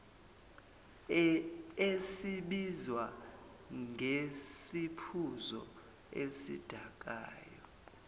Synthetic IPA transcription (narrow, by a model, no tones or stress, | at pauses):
esiɓizwa | ŋɡʱesipʰuzɔ̰ | esḭd̥ʱak̬ʼa̰ːjɔ